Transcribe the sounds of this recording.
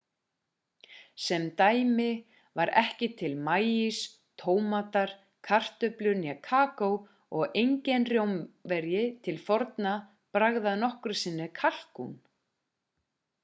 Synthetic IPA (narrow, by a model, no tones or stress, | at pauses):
sɛmt̪aːjmɪ | vaɾɛhcɪt̪ʰɪlmaːjis | t̪ʰoːwmat̪aɾ̥ | kʰar̥t̪ʏplʏɾnjɛkʰaːkow | ɔɣejɲcɛnrjowmvɛɾjɪt̪ʰɪlfɔɾt̪na | pɾaɣðaðnɔhkʏɾsɪnːɪkʰal̥kṵn